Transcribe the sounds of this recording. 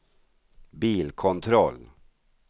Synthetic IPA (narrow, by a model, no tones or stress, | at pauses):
biːlkʰɔnt̪ʰɾɔlː